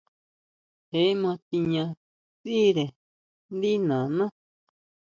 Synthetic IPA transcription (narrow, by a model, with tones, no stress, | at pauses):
he˨˦mã˧t̪i˧ɲã˧ | t͡si˦ɾe˨ | nd̪i˦nã˨nã˦